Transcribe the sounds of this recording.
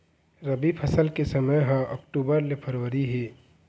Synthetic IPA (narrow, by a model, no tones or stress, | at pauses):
ɾɐbipʰəsəlkesəməjɦãʔəkʈuːbəɾlepʰəɾwəɾiɦeː